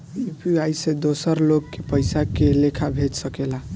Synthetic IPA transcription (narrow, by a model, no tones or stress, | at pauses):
ipiajsẽd̪osəɾlokːepəɪsakelekʰabʱed͡ʒsəkela